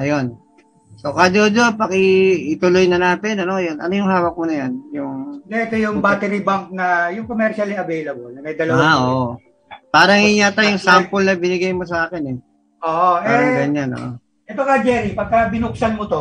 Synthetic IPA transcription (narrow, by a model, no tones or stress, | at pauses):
ʔɐjon | sokad͡ʒod͡ʒopɐkɪɪt̪ʊlojnɐnaːt̪ɪnɐno̞jonʔɐ̰nojʊŋhaːwɐk̚mʊnɐjanjʊŋd̪ɛɛt̪ojʊŋbaːt̪ɛɾibaŋk̚nɐjʊŋkomɛɾʃɐlɛɐvejlɐbolnɐmɐjd̪ɐlɐwaaʔoːʔ | paːɾɐŋɪɲat̪ɐjʊŋsampolnɐbɪnɪɡɐjmosɐʔaːkɪnɛ | ʔoːʔoɛɾɐŋɡɐɲanʔo̰ʔo | ʔɛt̪okɐd͡ʒɛɾipɐɡ̚kɐbɪnʊk̚sɐnmot̪o